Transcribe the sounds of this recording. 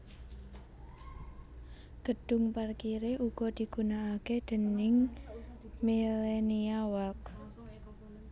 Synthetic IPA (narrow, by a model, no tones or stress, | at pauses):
ɡ̥əɖ̪̥ʊ̤ŋparkiɾeʔuɡ̥ɔd̪̥i̤ɡ̥unaːked̪̥ə̤nɪŋ | mileniawak